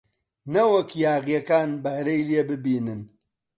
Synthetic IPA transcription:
nɐwɐkjaːɣijɐkaːnbɐhɾejliebɨbiːnɨn

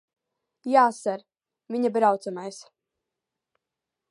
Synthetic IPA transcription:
jaːsaɾ | viɲabɾawt̪sumajs

